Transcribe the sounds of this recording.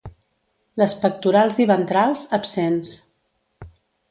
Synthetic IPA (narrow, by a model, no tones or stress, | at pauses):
ləspək̚t̪uɾalˠziβənt̪ɾalˠzəpsens